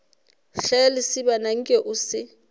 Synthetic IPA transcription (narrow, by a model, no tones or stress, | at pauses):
xɛlɪsɪbanaŋ̩kʼɛʔʊsɪ